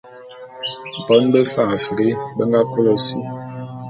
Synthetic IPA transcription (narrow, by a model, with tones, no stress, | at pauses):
pɔ˨˦nbɛ˦fa˦˨a˨fi˨ɡe˦bɛ˦ŋɡa˦pu˦lɔ˦sḭ˦˨